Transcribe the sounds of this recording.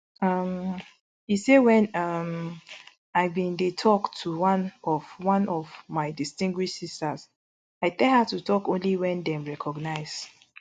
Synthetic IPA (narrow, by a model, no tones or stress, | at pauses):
ʌm | isewɛ̃nʌm | aɪbĩndetʰɔktʰuwãnɔvwãnɔvmaɪdistĩŋɡwiʃsistaz | aɪtɛlhatutʰɔkõnliwɛ̃ndɛ̃mɹɛkʰɔɡnaɪz̥